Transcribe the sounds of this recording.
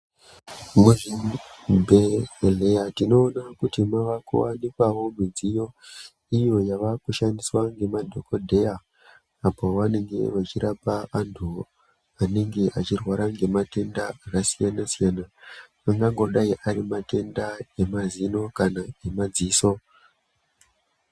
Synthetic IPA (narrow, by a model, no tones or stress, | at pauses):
muʐinbʱelejatino̞ːnakutimaʋakṵwanikwaʋo̞mid͡zijo̞ | ijo̞jaʋakuʃandiswaŋɡe̞madʱo̞kodʱe̞jaː | poʋane̞ŋɡe̞̰ʋat͡ʃiɾapaːntʰu | ane̞ŋɡe̞ʔat͡ʃirwaɾaŋɡe̞mate̞ndaakasijanasijanaː | ŋɡaŋɡo̞ɗaiʔaɾimate̞ndae̞mazino̞kanaemad͡ziːso̞